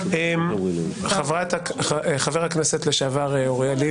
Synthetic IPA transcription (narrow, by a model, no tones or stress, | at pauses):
emχavʁat̪aeχaveʁhakneset̪leʃaːvaʁeoʁjali